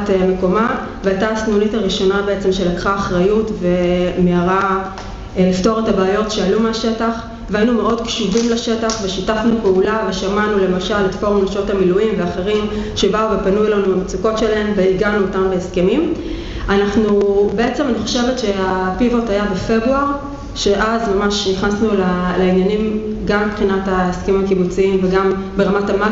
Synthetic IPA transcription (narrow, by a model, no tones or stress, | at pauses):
tme̞ko̞ma | veajtaːsnunitaʁiʃo̞nabeet͡se̞mʃe̞lakχaːχʁajutve̞meaʁa | lifto̞ʁetabaːjo̞tʃealumeaʃe̞taχ | veainumeo̞dkʃuvimlaʃe̞taχveʃitafnupeulaveʃamanule̞maʃaletfoʁnaʃo̞tamiluimveaχe̞ʁimʃe̞bauve̞panulanuamet͡suko̞tʃe̞laɦe̞mveiɡanuotambeeske̞mim | anaχnube̞e̞t͡se̞maniχo̞̥ʃe̞vetʃe̞apivo̞tajabefe̞bʁuaʁ | ʃe̞ʔazmamaʃniχnasnulalainjanim | ɡamibχinataeskemimakibut͡siimveɡam | be̞ʁamatama